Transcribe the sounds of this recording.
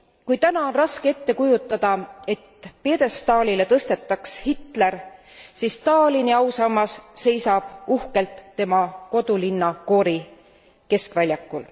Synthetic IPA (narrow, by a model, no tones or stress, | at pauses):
kujt̪ænɑo̞nrɑskee̞t̪ːe̞kujut̪ːˑɑd̪̥ɑe̞t̪ːpe̞ːd̪e̞st̪ɑːlʲile̞t̪ɤst̪e̞t̪ːˑɑkshit̪ˑle̞r | sist̪ɑːliniɑwsɑmːɑsːe̞jsɑb̥uhke̞lt̪ːe̞mɑko̞d̪ulinːɑko̞ːɾi | ke̞skvælʲjɑkːˑul